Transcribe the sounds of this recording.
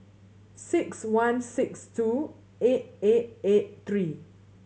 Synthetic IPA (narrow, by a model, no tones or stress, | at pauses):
sɪkswãnsɪkstu | et̚et̚et̚t̪ɹi